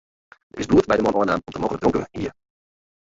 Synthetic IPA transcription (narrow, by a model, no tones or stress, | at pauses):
əɪsbluət̚bɛjdəmɔnɔənaːmɔmtəmoːɣələk̚drɔŋkə̰nhḭːə